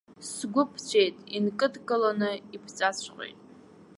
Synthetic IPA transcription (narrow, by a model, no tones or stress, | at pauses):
ssɡʷʊpʰt͡ɕʷʰejtʼinkʼɨdkʼɨlonɨipʰt͡sʼat͡ɕʷʰqʼḛjtʼ